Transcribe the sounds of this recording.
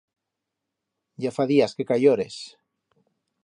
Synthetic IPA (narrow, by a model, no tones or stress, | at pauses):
ɟ͡ʝafaðiaskekajoɾes